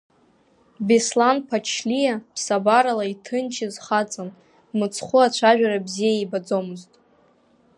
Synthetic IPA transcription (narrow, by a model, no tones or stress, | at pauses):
beslanpʰat͡ʃʰlijapʰsabaɾalaitʰɨnt͡ʃʰɪzχat͡sʼan | mɨt͡sʰχʷʊat͡ɕʷʰaʒᶣaɾabzijaibad͡zomɨztʼ